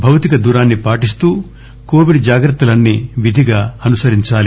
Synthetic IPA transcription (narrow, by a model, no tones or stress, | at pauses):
bʱɐwt̪ikɐd̪uːɾaːnːipaːʈist̪uː | koːʋiɖd͡ʒaːɡɾɐt̪ːɐlɐnːiʋid̪ʱiɡaːɐnusɐɾiɲt͡ʃaːli